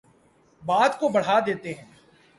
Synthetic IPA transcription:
baːd̪kobɐɽ̤aːd̪eːt̪eɦɛ̃ː

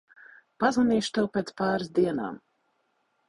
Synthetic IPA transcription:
pazvanʲiːʃt̪ɛwpeːt̪spaːɾɨsd̪iɛna̰ːm

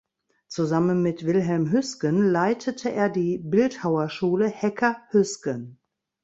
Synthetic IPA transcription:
t͡suzamənmɪtv̥ɪlɦɛlmɦʏskənlaɪtʰətʰəʔeːɐdiːbɪlthaʊɐʃuːləhɛkʰɐhʏskən

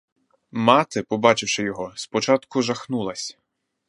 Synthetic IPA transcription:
mɑt̪ɪpɔbɑt͡ʃɪwʃɪjɔɦɔspɔt͡ʃɑt̪kʊʒɐxnulˠɐsʲ

